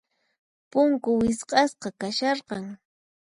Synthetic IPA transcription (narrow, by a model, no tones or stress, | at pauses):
pʊŋkʊwɪsqɑsqɑkaʃɑɾqɑŋ